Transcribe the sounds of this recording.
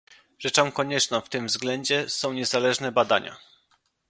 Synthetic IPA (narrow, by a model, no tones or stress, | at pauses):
ʐ̥ɛt͡ʂɔ̃w̃kɔɲɛt͡ʂnɔ̃w̃ft̪ɘmvzɡlɛɲd͡ʑɛsɔ̃w̃ɲɛzalɛʐnɛbad̪a̰ɲa̰